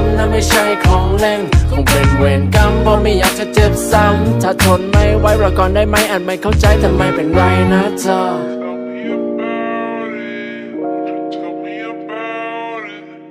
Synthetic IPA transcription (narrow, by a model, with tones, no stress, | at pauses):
mnaː˧˩ma˥˩jt͡ɕʰa˥˩jkʰɔː˨˦ŋlɛ˧˩ŋkʰo˨˧˦ŋpe˨˩nweː˨˧˩nka˧mbɔː˧ma˥˩jaː˨˩k̚t͡ɕa˧˩t͡ɕe˧˩p̚sa˧˩mt̪ʰa˧˥˩t̪ʰo˨˦˥nma˥˩jwa˦˥jpɾaː˧˩wkɔː˧˩ndaː˥˩jma˦˥˩jʔa˨˩t̪̚ma˥˩jkʰa˥˩wt͡ɕa˧jt̪ʰa˧mːa˧˩jpe˨˩nɾa˧˩jna˦˧˥t͡ɕa˧˩